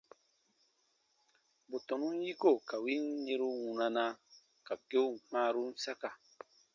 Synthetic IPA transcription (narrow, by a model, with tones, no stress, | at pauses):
bo˨tɔ̃˨nũ˦n˦ji˦ko˦˨ka˨wi˦n˦ɲe˧˦ɾu˦wũ˧nã˧na˧ | ka˨ke˦u˦˨mãː˦ɾu˦n̩˦sa˦ka˨